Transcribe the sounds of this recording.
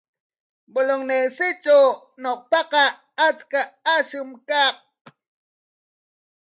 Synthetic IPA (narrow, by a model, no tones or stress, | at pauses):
boloŋnesit͡ʃo | nɔk̚paka | at͡skaaɕɯmkak̚